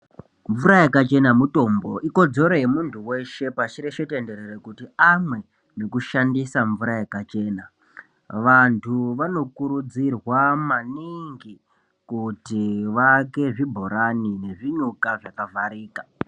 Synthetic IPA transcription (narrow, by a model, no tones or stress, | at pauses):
ɱvuɾajakat͡ʃe̞namuto̞mbo̞ʔiko̞d͡zo̞ɾojemuntʰuwe̞ʃe̞pat͡ʃiɾeʃete̞nde̞ɾeɾekutiamwe̞ | nekuʃandisaɱvuɾajakat͡ʃe̞ːna | ʋantʰuʋano̞kuɾud͡zirwamaniŋɡi | kutiʋake̞ʐibʱo̞ɾanine̞ʐiɲukaʐakavʱaɾiːkḁ